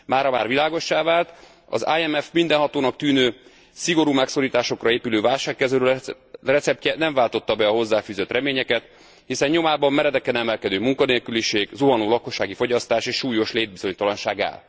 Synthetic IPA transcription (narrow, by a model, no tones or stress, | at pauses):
maːɾɒmaːrvilaːɡo̞ʃːaːvaːlt̪ | ɒ̰zajɛmɛfmind̪ɛnɦɒt̪oːnɒk̚t̪yːnøː | siɡo̞ɾuːmɛkso̞ɾiːt̪aːʃo̞krɒeːpyløːvaːlʃaːkːɛzøːɾø | rɛt̪sɛp̚cɛnɛɱvaːlt̪o̞t̪ːɒbɛɒɦo̞zːaːfyːzøt̪rɛmeːɲɛkɛt̪ | hisɛɲɲo̞maːbɒmːɛɾɛd̪ɛkɛnɛmɛlkɛd̪øːmuŋkɒneːlkyliʃeːɡzoɦɒnoːlɒko̞ʃːaːɡifo̞ɟɒst̪aːʃeːʃʃuːjo̞ʃleːd̪̚bizo̞ɲt̪ɒlɒnʃaːɡa̰l